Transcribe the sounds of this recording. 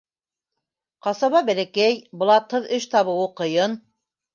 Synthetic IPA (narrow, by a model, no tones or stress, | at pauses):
qɑsɑβɑbælækæjbɤ̆lˠɑt̪hɤðɵʃt̪ɑβɤ̆wɤqɤ̆jɤn